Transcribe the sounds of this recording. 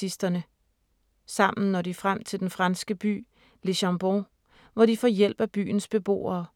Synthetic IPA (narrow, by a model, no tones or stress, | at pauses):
isd̥ɐnə | sɑ̈m̰n̩nɒdifʁam̰t͡sʰe̝ld̥enfʁɑ̈nsɡ̥əb̥y̰ː | le̝ɕɑmb̥o | ʋɒdifɒ̰ːjel̰b̥æb̥y̰ːn̩sb̥e̝b̥o̝̰ːɐː